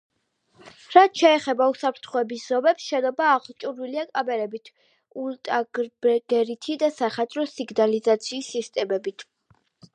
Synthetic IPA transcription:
ɾat̪ʰʃɛːχɛbausapʰɾt̪ʰχɔɛbisz̥ɔmɛpsʃɛnɔbaːʁlˠt͡ʃʼuɾiliakʼabɛɾɛbit̪ʰ | ult̪ʼaɡbɛɡ̥ɛɾit̪ʰid̪asaχat̪sʼɾɔsiɡnalizat̪sʰiːsːist̪ʼɛmɛbit̪ʰ

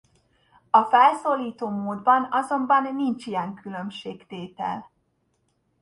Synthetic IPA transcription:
ɒfɛlsoːlːiːt̪oːmoːd̪bɒnɒzo̞mbɒnːint͡ʃijɛŋkylø̞mʃeːkt̪eːt̪ɛ̰l

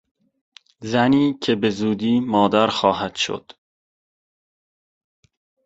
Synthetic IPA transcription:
zæniːcʰe̞be̞zuːd̪iːmɒːd̪æɾxɒːɦæd̪̥ʃo̰d̪̥

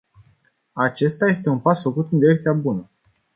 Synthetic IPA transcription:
at͡ʃe̞st̪aje̞st̪e̞unpasfəkut̪ɨnd̪iɾe̞k̚t̪siabunə

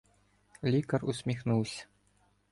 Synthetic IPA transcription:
lʲikɐrusʲmʲixnuwsʲɐ̥

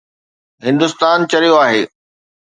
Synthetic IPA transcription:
ɦɪ̃nd̪ʊst̪aːnt͡ɕɐɾijoaːɦeː

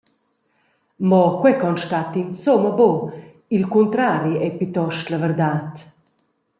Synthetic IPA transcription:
mɔkwɛkɔnʃtat̪insoməbo | ilkunt̪ɾaːɾiɛpyt̪ɔʃt̪lavəɾd̪aːt̪

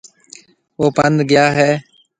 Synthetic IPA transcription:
oːpənd̪ʱɡɪjaːɦɛː

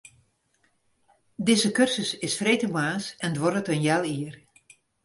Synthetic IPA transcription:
dɪzəkørsəsɪsfrejtəmaːsɛndʋɔrətənjɛlˠiər

